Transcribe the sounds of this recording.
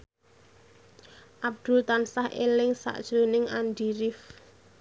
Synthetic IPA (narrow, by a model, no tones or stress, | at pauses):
ʔab̚d̪̥ʊ̤lt̪ansahʔḛlɪŋsa̰ʔd̥ʒ̥o̤nɪŋanɖiɾɪf